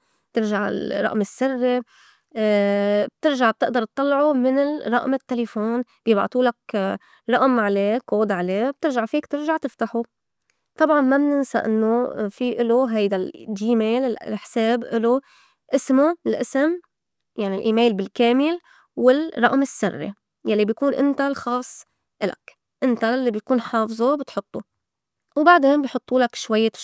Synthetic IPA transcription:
t̪ɪɾʒaʕɪ̰lrˤːɑ̰ʔmɪsːɪrːe | b̥̚t̪ɪɾʒaʕb̚t̪ɪʔd̪ɑɾˤt̪̚ˤːɑlːʕumɪnɪrˤɑ̰ʔmɪt̪ːelefoːnb̥iːbɑ̰ʔt̪ˤuːlak | ɾˤɑʔmʕaleːkoːd̪ʕaleːb̚t̪ɪɾʒaʕfiːkt̪ɪɾʒaʕt̪ɪft̪aħu | t̪ˤɑbʕɑnmabnɪnsa̰ʔɪ̰nːofiʔɪloɦajd̪ald͡ʒːiːmeːlɪlħseːbʔɪlo | ʔɪsmoɪlʔɪsɪm | jaʕnilʔḭːmeːlbɪlkeːmɪl | wɪlrˤɑʔmɪsːɪrːḛ | jalːibjakuːnʔɪnt̪alxɑːsˤː | ʔɪla̰k | ʔɪnt̪alːibj̪kuːnħɑːfzˤobɪt̪ħʊt̪ˤːo | wbaʕd̪eːnbijħʊt̪ˤːuːlakʃwajːa

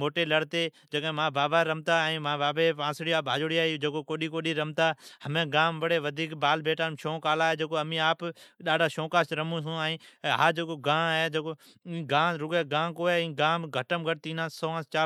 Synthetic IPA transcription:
moːʈeːləɽt̪eː | d͡ʒəkːmãːbaːbaːɾəmt̪aːɛ̃ːmãːbaːbeːãːsɽiːaːpaːd͡ʒoːɽiːaːid͡ʒeːkoːkoːɗiːkoːɗiːɾəmt̪aːhəmẽːɡãːmbəɽeːʋəd̪ʱiːkbaːlbeːʈaːmʃõːkaːlaːɦeːd͡ʒeːkoːəmĩːaːpɗaːɖʱaːʃõːkaːsɾəmũs̬ũːaːĩːɦaːd͡ʒeːkoːɡãːɦeːd͡ʒeːkoː | ĩːɡãːɾʊɡeːɡãːkoːeĩːɡaːmɡʱəʈəmɡʱəʈ̚t̪ĩːnãːsoːə̃ːst͡ʃaː

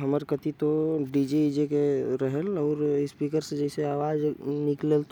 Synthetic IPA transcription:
ɦəməɾkət̪it̪oɖid͡ʒed͡ʒekeɾəɦəlɔːɾspiːkəɾsed͡ʒɛːɪseaːʋaːd͡ʒnɪklelt̪

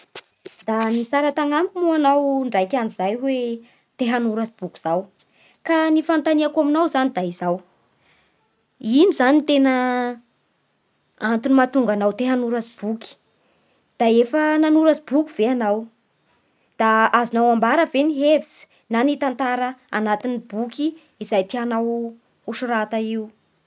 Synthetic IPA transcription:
d̪anisaɾat̪aŋamimuanawɳɖ͡ʐajkʲand͡ʒizajwe | t̪eɦanuɾazib̥ukuz̥aw | kanifant̪aniakaminawzanid̪aizaw | inuzanint̪enə | ant̪unimat̪uŋɡanawt̪eɦanuɾazib̥uki̥ | d̪̥aefənanuɾazibukʲuv̥eanaw | d̪̥aazinawambaɾəveniɦevisi̥ | nanit̪ant̪aɾəa̰nat̪inibukʲiː | zajt̪ianaw | uʃuɾat̪aiu

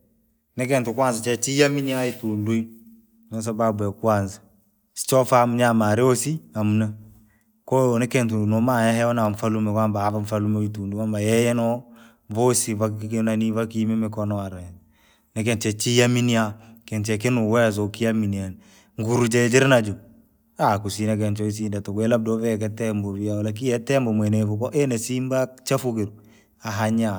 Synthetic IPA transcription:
nɪkɛntukwansat͡ʃɛt͡ʃijaminiaitundui | nos̬ababwɛkansḁ | si̥t͡ʃɔfamuɲamaɾeosiamuna | konɪkɛntunomajahɛɔnaɱfalumɛkambaavaɱfalumeitunduwambajɛjɛnɔ | vosivaknanivakimɛmɪkɔnɔaɾa | nɛk̬ɛnt͡ʃɛt͡ʃijaminiakɪnt͡ʃɛk̬ɪnuwɛs̬okijaminian | ŋɡuɾud͡ʒɛd͡ʒɪɾnad͡ʒu | akusinak̬ɛnt͡ʃɔis̬indatokwɛlab̚dɔvɛk̬ɛtɛmboviawalak̬ijɛtɛmbomenefuk̬ɔʔenesimbat͡ʃafukɪɾ | aɦaɲa

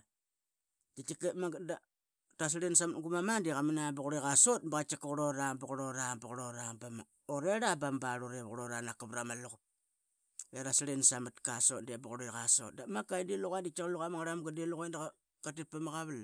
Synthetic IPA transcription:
dit͡ʃikemada | tas̬ɾensamatŋɡumamandiɣaminabuɣuɾeɣasot̚bɣat͡ʃikɣuɾoɾabaɣɾoɾabɣɾoɾabam | oɾeɾabambaɾoɾeβɣɾoɾanakaβɾamalukp̚ | eɾasɾensamatkasotndiabaɣuɾeɣaso̰t̚damakajndiluɣandit͡ʃaɣluɣamaŋaɾamɡadiluɣandaa | katit̚pamaɣaβal

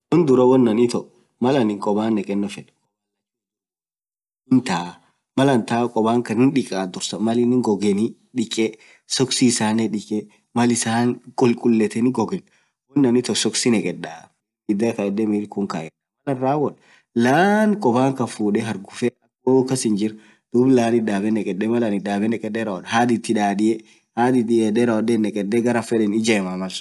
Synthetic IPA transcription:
wɔnd̪ʊɾɔwɔnːɐnɪt̪ɔʔ | mɐlɐnɪŋkʼɔbaːnːɛkʼɛnːɔfɛn | ɔ | ɪnt̪aː | mɐlɐnt̪aːkʼɔbaːŋkɐnɪnᶑɪkʼaːd̪ʊɾsɐmɐlɪnɪŋɡɔɡɛnɪ | ᶑɪkʼɛ | sɔksisaːnɛᶑɪkʼɛ | mɐlɪsaːŋkʼʊlkʼʊlːɛt̪ɛnɪɡɔɡɛn | wɔnːɐnɪt̪ɔsɔksɪnɛkʼɛda | bɪd̪ɐkɐɛd̪ːɛmiɾkʊŋka̰jɛɐmɐlɐnɾaːwɔᶑ | laːnkʼɔbaːŋkɐfuːᶑɛɦɐɾɡʊfɛɐkoːkɐsɪnd͡ʒɪɾ | d̪̥ublaːnɪd̪aːbɛnɛkʼɛdːɛmɐlanɪd̪aːbɛnɛkʼɛdɛɾɐɔᶑhaːd̪ɪt̪ːɪᶑaːdɪjɛ | haːd̪ɪd̪ɪɛdɛɾɐwɔdɛnɛkʼɛdːɛɡɐɾɐfɛdɛnɪd͡ʒɐɛmamɐl

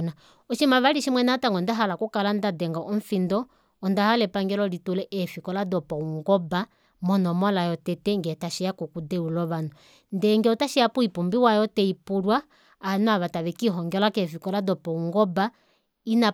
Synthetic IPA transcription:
na | ɔʃimaβaliʃimwɛnataŋɡɔndaɦalakukalandadɛŋɡaʔɔɱ̩findɔ | ɔndahalɛpaŋɡɛlɔlitulɛʔɛfikɔladɔpɔuŋɡɔba | mɔnɔmɔlajɔtɛtɛŋɡɛtaʃɛjakukudɛulɔβanɔ | ndɛŋɡɛɔtaʃijapuipumbiwajɔtɛipuɾwaː | nɔaβataβɛkiɦɔŋɡɛlakɛfikɔladɔpɔuŋɡɔba | ina

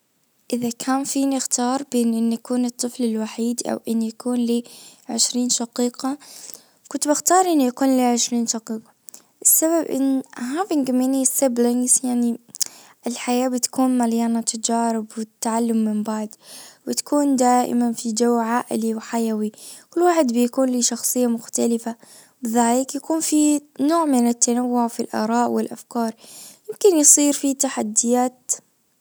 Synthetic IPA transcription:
ʔɪðakʰaːnfiːnɪxt̪ɑːɾˤbeːnʔɪnːjakuːnɨt̪ˤːɨflɪlwaħiːd̪ʔa̰wʔɪnːjakuːnliʕɪʃɾiːnʃɑqiːqɑ | kʊnt̪bɪxt̪ɑːɾˤʔɪnːujakuːnliʕɪʃɾiːnʃɑqiːqɑ̥ | ʔɪsːaβabʔɪ̰nːɦaːvɪnɡaminisɪblɪŋɡzjaʕni | ʔɪlħajaːbɪt̪kʰuːnmaljaːnat̪ʰad͡ʒaːɾɪbwɪt̪ːaʕalːʊmːɪmbaʕd̪bɪt̪ḁkuːnd̪aːʔɪ̰manfid͡ʒawʕaːʔɪ̰liwħajawikʊlːwaːħɪd̪bɪjakuːnliʃɑxsˤɨjːamʊxt̪alɪfa | bɪðaːlɪkjakuːnfinoːʕmɪnɪt̪ːanawːʊʕfilʔɑ̰ːɾˤɑːʔwɪlʔa̰fkɑːɾˤjɪmkɪnjsˤiːɾfit̪aħad̪ːɪjaːt̪

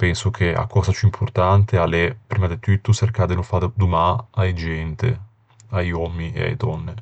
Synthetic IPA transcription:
pɛnsok̟ʰea̰kːɔzapjuimpʰʊrt̪ant̪ealɛpɾiːmad̪et̪ːuyt̪ːuserkad̪enofad̪d̪umaajd͡ʒɛnt̪ḛ | ajɔmːiḛa̰jd̪ɔnːe

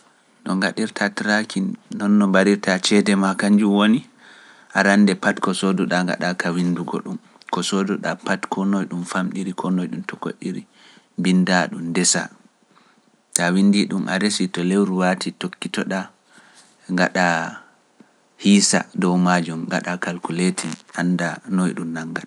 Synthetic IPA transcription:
ɗɔŋɡaɗiɾtʰatiɾakinːɔnːɔbaɾiɾtat͡ʃɛdɛmakaɲd͡ʒumwoni | ʔaɾanːdɛpatkɔsɔdɔɗaŋɡa̰ɗakawinduɡɔ̰ɗum | kɔsɔdɔɗapatkʰɔnɔjɗumfamɗiɾikʰɔnɔjɗumtɔko̰ɗiɾi | bindaɗumdɛsa̰ | kawindiɗumʔa̰ɾesitɔlewɾuwatʰitokːitɔɗa | ŋɡaɗa | hiːsa̰dɔwmad͡ʒumŋɡaɗakalkuletʰiʔandanɔjɗumnaŋɡan

